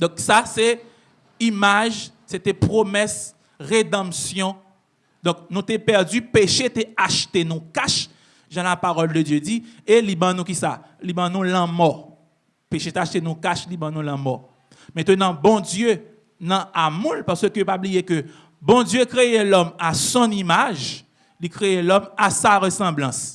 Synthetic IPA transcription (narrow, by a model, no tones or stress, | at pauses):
d̪ɔ̃ksasɛ | imaʒ | set̪ɛpʁomɛs | ʁed̪ãmsjɔ̃ | d̪ɔ̃k̚nũt̪epɛʁdypeʃet̪eaʃt̪enũkaʃ | ʒãlapaʁɔld̪ədjød͡zielibãnũkisa̰ | libãnũlãmɔʁ | peʃet̪eaʃt̪enũkaʃlibãnũlãmɔ | mɛ̃t̪ønãbɔ̃djø | nãamũlpaʁsøkøjopablijekø | bɔ̃djøkʁeelɔmasɔ̃nimaʒ | likʁeelɔmasaʁəsɑ̃blãs